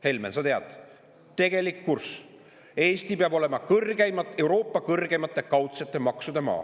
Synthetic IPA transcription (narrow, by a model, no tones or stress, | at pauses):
he̞lmensɑt̪eɑd̪̥ | t̪e̞ɡe̞likːurs | e̞ːst̪ipeɑbo̞le̞mɑkɤrɡejmɑe̞wɾo̞ːpːˑɑkɤrɡ̥e̞mɑt̪ˑːe̞kɑwt̪se̞t̪ˑːe̞mɑksud̪̥e̞mɑ̰ː